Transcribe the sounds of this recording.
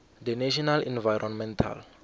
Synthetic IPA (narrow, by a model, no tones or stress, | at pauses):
dɛneʃ̬ɔnalɛ̃nvajɾʔɔnmɛntʰa̰l